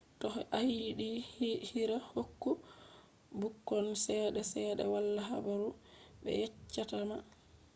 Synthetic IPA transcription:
tɔhʔahiɗihiɾahokːu | bukːɔnsɛɗɛsɛːɗɛ̰walːaɦabaɾuɓɛ̰jɛt͡ʃːatama

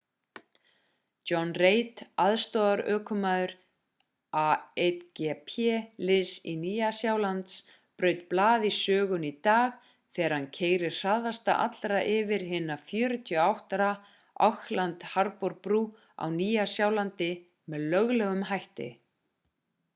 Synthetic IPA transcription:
ɔnreːjt̪aðst̪ɔːðaɾœːkʰʏmaːðʏɾ | aet̪cɛpʰɛlɪsiniːjasjawlant̪s | pɾœːɥt̪̚plaːðisœːɣʏnit̪aːx | θɛːɾ̥hancʰeːjɾɪ̥r̥aðast̪a̰ʔa̰t̪lɾaʔɪvɪɾ̥ɦɪnafjœːɾʏt̪ʰjœawht̪aɾa | ʔa̰whlant̪haɾpɔɾpɾuː | a̰wniːjasjawlant̪ɪ | mɛðlœɣlɛɣʏmɦajht̪ɪ̰

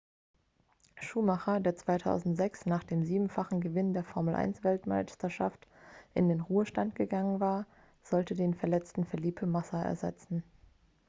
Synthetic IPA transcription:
ʃuːmaχɐdeːɐt͡sv̥aɪtʰa̰ʊzn̩tz̥ɛksnaːχd̥eːmziːbm̩faχn̩ɡəvɪndeːɐfɔɐml̩ʔa̰ɪnsv̥ɛltma̰ɪstɐʃa̰ftʔɪndeːnʁuːəʃtantɡ̥əɡaŋənvaːɐ | z̥ɔltədeːnfɛɐlɛt͡stn̩fɛɐliːptəmasaʔɛ̰ɐzɛ̰t͡sn̩

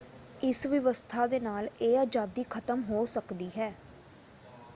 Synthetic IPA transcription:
ɪsʋɪʋəst̪ʰaːd̪eːnaːleːad͡ʒaːd̪iːkʰət̪əmɦoːsəkd̪iːɦɛː

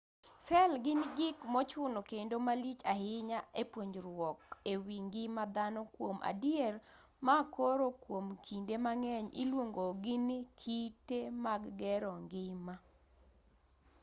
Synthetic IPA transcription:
sɛlɡɪnɡɪkmɔt͡ʃʊnokendomalit͡ʃahɪɲaepwoɲd͡ʒɾwɔkewiŋɡɪmad̪anɔkwomʔa̰djɛr | makoɾokwomkʰindemaŋɛɲɪ̰lwoŋɡoɡɪnɪkʰitemaɡɡɛɾɔŋɡɪma

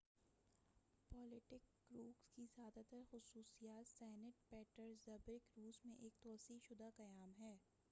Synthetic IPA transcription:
pɔːlɪʈɪk | ɡɾuːkskizjaːd̪at̪əɾxʊsuːsijaːt̪sɛːnɪʈ̚pɛːʈəɾzɐbɾɪkɾuːzmẽʔeːk̚t̪ɔːsiʃʊd̪akɐjaːmɦɛː

